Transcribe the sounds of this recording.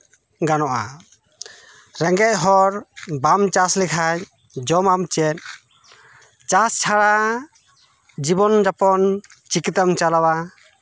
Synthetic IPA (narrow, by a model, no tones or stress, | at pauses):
ɡanɔʔa | ɾɛŋɡɛc̚ˀɦɔɾbamt͡ʃaslikʰaj | d͡ʒɔmamt͡ʃɛt̪̚ | t͡ʃast͡ʃʰaɽa | d͡ʒibɔnd͡ʒapɔnt͡ʃikit̪amt͡ʃalawa